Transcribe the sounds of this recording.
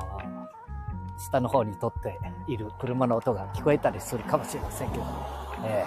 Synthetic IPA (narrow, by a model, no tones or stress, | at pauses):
ɕi̥t̪ano̞ho̞ːɲ̟it̪o̞t̪ːe̞iɾɯ̟kɯ̟ɾɯ̟mano̞ːt̪o̞ɡakʲi̥ko̞e̞t̪aɾʲisɨɾɯ̟kamo̞ɕiɾe̞masẽ̞ŋke̞d̪oeː